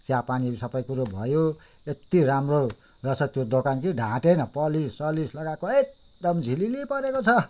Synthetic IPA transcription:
t͡sapanisʌpʌjkuɾobʱʌjo | et̪iɾamro | rʌsʰʌt̪jod̪okankiɖʱãʈenʌpʌlissʌlislʌɡakoek̚ | ɖʌmd͡zʱililipʌɾekot͡sʰʌ

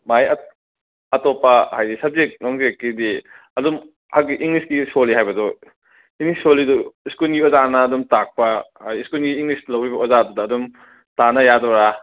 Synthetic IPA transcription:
majɐ | ɐtopːɐhajisɐb̚zek̚noŋzekːidi | ɐdum | haɡiʔiŋlisɡisoliɦajbɐdɔ | iŋlissoliduiskulɡiɔzanɐːdumtak̚pɐhajiskulɡiːŋlislɐwɾibɐɔzadudɐːdum | tanɐjadɔɾa

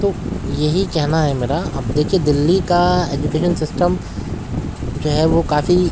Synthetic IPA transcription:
t̪oːjɐɦikɛɦnaɦɛmeːɾaɐ̰bd̪eːkʰied̪ɪlːikaeːd͡ʒukeːʃənsɪsʈəm | d͡ʒoːɦɛʋokaːfi

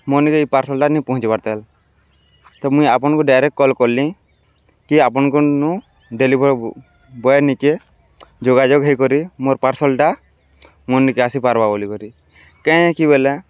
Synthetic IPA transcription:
mɔnikeipaɾsɔlʈanipɔɦũt͡ʃipaɾt̪ɛl | t̪ɔmũjapɔnkuɖajɾɛkkɔlkɔlĩ | kiapɔnkunũ | ɖelibɔɾ | bɔenike | d͡ʒoɡad͡ʒoɡɦejkɔɾimoɾpaɾsɔlʈa | mɔnːikeasipaɾbabolikɔɾi | kɛ̃jkibelɛ

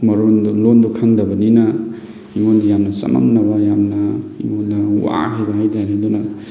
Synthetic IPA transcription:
mɐɾondlond̪ukʰaŋd̪ɐbɐninɐ | iŋonajamnɐsɐ̰ma̰mnɐbajamnɐiŋonːɐuwa̰hajbaɦajd͡ʒaɾed̪unɐ

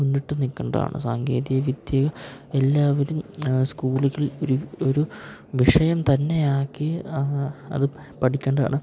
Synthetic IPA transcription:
munːiʈːɨnikʲːɐɳɖɐa̰ːɳɨ̰saːŋɡe̞ːðijɐʋid̪jɐɣɐelːaːʋɐɾumskuːɭiɣɐloɾuoɾuʋiʂɐjɐmt̪ɐnːe̞jaːkːi | ɐ̰ðɨ | pɐʈʰikʲːeɳɖɐa̰ːɳɨ

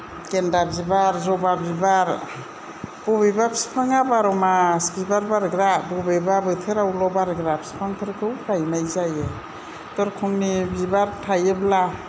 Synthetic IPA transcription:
kendabibaɾzɔbaɾbibaɾ | b̥ɔbebapʰi̥si̥pʰaŋabaɾɔmaskibaɾbaɾɡɾabɔbebabɯtʰɯɾawlɔbaɾɡɾapʰsi̥pʰaŋpʰɯɾkʰɯwkʰajmajzaje | tɔɾkʰuŋmibibaɾtʰajebla

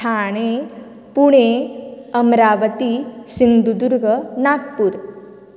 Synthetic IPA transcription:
tʰaːɽ̃e | puɽ̃eɐmɾaːʋət̪isiŋd̪ud̪uɾɡʱənaːk̚puɾ

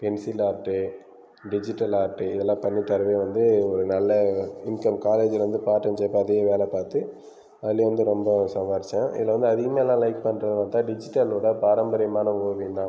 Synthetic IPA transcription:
pɛnsilaːʈːɯ | ɖɪd͡ʒɪʈːɐlaːʈːɯɪðɛlːãːpɐɳːit̪ɐɾɯʋejʋɐnd̪ɯɔɾɯnɐlːɐɪŋkɐmkaːleːd͡ʒɪlɐʋɐnd̪ɯpaːʈːɐmt͡ʃɛːpːãɐðɪɣɐʋeːlɛpaːɾt̪ɯ | ɐðɪlːeʋɐnd̪ɯɾɔmbɐsɐmaːɾɪt͡ʃːãɪ̰ðɪlːʋɐnd̪ɯɐðɪɣɐmeːɛlːãːlɐɪk̚pɐnːɾɐðɯnaːt̪ãːɖɪd͡ʒɪʈːɐloːɽɐpaːɾɐmbɐɾɐmaːnɐoːʋɪnd̪ãː

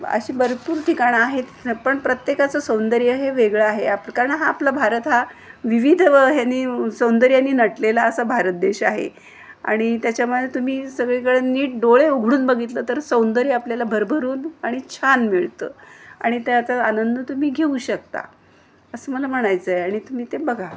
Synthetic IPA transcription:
ə̰ɕiːbəɾpuːɾʈ̪ʰikaɽaɦet̪pəɳpɾət̪jekat͡səsəwnd̪əɾjəɦeʋeɡɭaaɦeapkaɾəɳɦaːplabʱaɾət̪ɦa | ʋiʋid̪ʱʋəɦjanːiːsəwnd̪əɾjanːiːnəʈlelaəsabʱaɾət̪̚d̪eɕaɦḛ | a̰ɽ̃it̪jat͡ɕjaməd̪ʱet̪um̤iːsəɡɭekəɭeniːʈ̚ɖoɭeoɡʱɽuːnbəɡʱit̪ləːt̪əɾsəwnd̪əɾiːapljalabʱəɾbʱəɾuːnaɽ̃it͡ɕʰanmiɭt̪ə̰ːa̰ɽ̃it̪jat͡saanənd̪ʱət̪um̤iːɡʱeuɕək̚t̪a̰ | əsəːməlam̤əɽ̃ajt͡səːjaɽ̃it̪um̤iːt̪ebəɡʱa

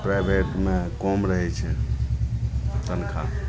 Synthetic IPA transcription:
pɾajbʱeʈmekɔmɾəɦɛt͡ʃʰɛ | t̪ənkʰa

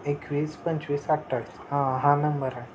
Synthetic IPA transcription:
ekʋiːspə̃ɲt͡ɕʋiːsak̚ʈəɾshãɦãnəmbəɾã

